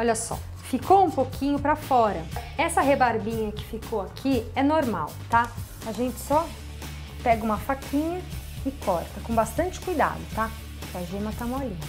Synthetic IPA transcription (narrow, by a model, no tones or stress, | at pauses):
ɔʎɐsɔ̰ | fikowũpokʰĩɲʊpɾɐfɔɾɐɛsɐɦebaɾbĩɲɐkɪ̥fikʰowakʰiɛnoɾma̰wt̪a | aʒẽnt͡ʃɪ̥sɔ | pɛɡɐũmɐfakʰĩɲɐɪkʰɔɾt̪ɐkõbast̪ɐ̃nt͡ʃɪ̥kujd̪a̰d̪ʊt̪a | aʒẽmɐt̪amolĩ